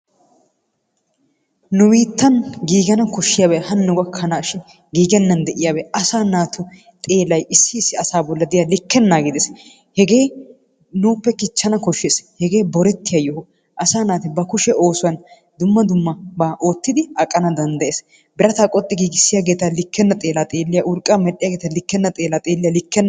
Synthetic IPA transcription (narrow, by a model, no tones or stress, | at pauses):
nʊwiːt̪ːɐnɡiːɡɛnɐkɔʃːɪjaːbɛhɐnːʊɡɐkʰːɐnaːʃɪn | ɡiːɡɛnːɐnd̪ɛʔɪjaːbɛɐsaːnaːt̪ʰʊ | t̪ʼeːlɐjɪsːɪːsːɪɐsaːbɔlːɐd̪ɪjalɪkːɛnːaːɡɪd̪ɛs | hɛɡe̞ː | nuːpːɛkɪt͡ʃːɐnɐkɔʃːeːshɛɡe̞ːbɔɾɛt̪ːɪjajɔhʊ | ʔɐsaːnaːt̪ɛbɐkʊʃɛo̞ːsʊwɐn | d̪ʊmːɐd̪ʊmːɐbaːʔo̞ːt̪ːɪd̪ɪɐkʼːɐnɐd̪ɐnd̪ɐʔeːs | bɪɾɐt̪aːkʼɔt̪ʼːɪɡiːɡɪsːɪjaːɡe̞ːt̪ɐlɪkːɛnːɐt̪ʼe̞ːlaːt̪ʼe̞ːlːɪjaʔʊɾkʼːaːmɛɗɪjaːɡeːt̪ɐlɪkːɛnːɐt̪ʼe̞ːlaːt̪ʼeːlːɪjalɪkːɛnːɐ